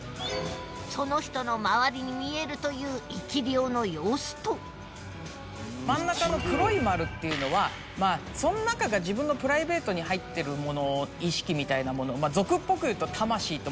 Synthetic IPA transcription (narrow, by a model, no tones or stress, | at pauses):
so̞no̞çi̥t̪o̞no̞maβaɾʲiɲ̟imʲie̞ɾɯ̟t̪o̞jɯ̟ːikʲiɾʲo̞ːno̞jo̞ːsɨ̥t̪o̞ | mãnːakano̞kɯ̟ɾo̞imaɾɯ̟t̪ːe̞jɯ̟no̞βa | maːsõ̞nonakaɡaʑibɯ̟̃nːo̞pɯ̟ɾaibe̞ːt̪o̞ɲ̟ihait̪ːe̞ɾɯ̟mo̞no̞iɕi̥kʲimʲit̪ainamo̞no̞mazo̞kɯ̟pːo̞kɯ̟jɯ̟ːt̪o̞t̪ʰamaɕiːt̪o̞